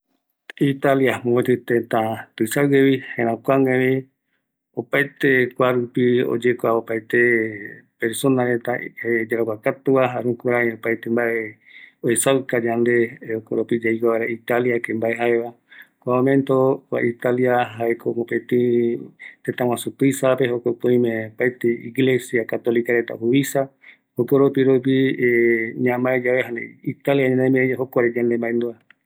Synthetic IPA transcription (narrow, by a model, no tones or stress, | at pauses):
it̪aljamõet̪ɨt̪ẽt̪ãt̪ɨsawɡeβihẽɾ̃ãkʷaŋẽɾĩ | opajt̪ekʷaɾupio̰d͡ʒekʷaopajt̪epeɾsonaɾet̪aed͡ʒeɾakʷakat̪uaɦaɾũkuɾãiopajt̪embaʔe | oesawkad͡ʒand̪e̞okoɾopid͡ʒaikaaɾait̪aljakẽmbaeɦaeβa | kʷaomẽnt̪oβa̰ʔit̪aliaɦaekʰomopet̪i | t̪et̪ãw̃ãsut̪uisapeɦokopõĩmẽpajt̪eḭɡlesjakat̪olikaɾet̪a̰huβisa | hokoɾopiɾop̬i | ɲãmaed͡ʒaβeɦanḛit̪aljaɲãnemẽaɦokoaɾed͡ʒand̪embaend̪ua